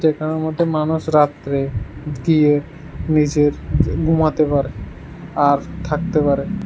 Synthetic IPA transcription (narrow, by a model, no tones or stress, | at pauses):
d͡ʒekʰanaɾmɔd̪ʱːemanuʃɾat̪ːɾeɡie | nid͡ʑeɾbʱumat̪epaɾe | aɾt̪ʰak̚t̪epaɾe